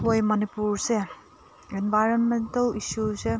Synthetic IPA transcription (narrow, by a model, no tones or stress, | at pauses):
ɦojmɐnipuɾse | enbʱajɾonmentɐlisuse